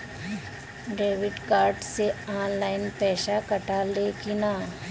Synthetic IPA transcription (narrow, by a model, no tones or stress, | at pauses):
ɖeːʋɪɖkaːɾɖseaːnlaːɪnpɛːʃakɐʈaleːkɪnaː